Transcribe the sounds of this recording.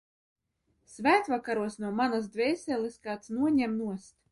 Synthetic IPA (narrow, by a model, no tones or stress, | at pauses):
svæːt̪vakaɾuɔsnuɔmanasd̪vʲɛjsʲɛlʲˠɨskaːt̪snuɔɲɛmnuɔst̪